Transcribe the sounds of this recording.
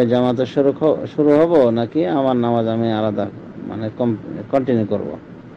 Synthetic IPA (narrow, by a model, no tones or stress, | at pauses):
ed͡ʒamat̪̬eʃɾʃuɾuɦɔbonakiamaɾnamad͡ʒamialad̪a | ma̰nekɔmkɔɳʈinjukoɾbo̰